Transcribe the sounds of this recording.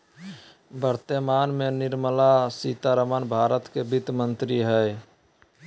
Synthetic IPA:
bəɾt̪əmanmenɪɾməlasit̪aɾəmənbʱaːɾət̪kebit̪mənt̪ɾiɦəe

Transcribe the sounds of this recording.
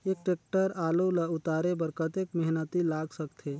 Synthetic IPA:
eːk̚ʈeːk̚ʈəɾaːlolaʊt̪aːɾebəɾkət̪eːkmɛɦnət̪ilaːɡsəkt̪ʰe

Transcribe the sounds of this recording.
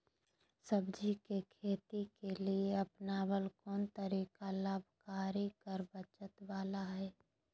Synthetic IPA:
səbd͡ʒikekʰeːt̪ikelieɐpnabəlkɔːnt̪əɾiːkalaːbʱkaːɾikəɾbət͡ʃət̪ʋaːlaɦɛː

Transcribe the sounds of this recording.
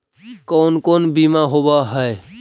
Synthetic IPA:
kɔnkonbimaɦobaɦəe

